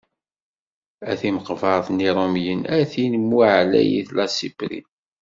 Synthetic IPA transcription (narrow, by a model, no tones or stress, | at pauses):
æθiməqvɑɾˤθniɾˤomjənæθinəmːuʕlæ̰jḭθlɑsibɾḭ